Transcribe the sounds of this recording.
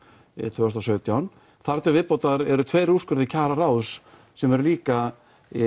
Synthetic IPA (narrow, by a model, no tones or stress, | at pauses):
t̪ʰʏːɣst̪asœːɥt̪jawn | θaɾt̪ʏvɪðpowt̪aðaɾɛɾʏt̪ʰvejruskʏɾðɪcʰaːɾaɾaːwðʏ̥s | sɛmɛɾliːka